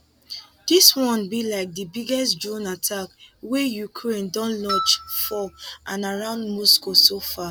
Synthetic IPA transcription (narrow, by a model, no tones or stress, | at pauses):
d̥iswɔ̃nbilaɪk̚dəbiɡɛstd͡ʒɔ̃natʰakwejukʰɹẽndɔ̃nlɔt͡ʃfɔʔãnaɹãʊ̃ndmɔskosofa